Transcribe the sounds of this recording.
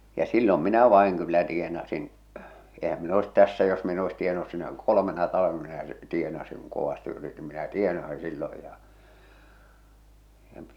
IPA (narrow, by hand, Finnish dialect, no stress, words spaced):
jɑ silːom minæ ʋɑˑi̞ŋ kylːæ tienɑsin ehæm min oes tæsːæ jos min e oes tienɑnus sinæ kolomenɑ tɑlɑ̆ʋenɑ minæ tienɑsiŋ kuŋ koʋɑsti yritim minæ tienɑsi̥ silːoj jɑ jɑ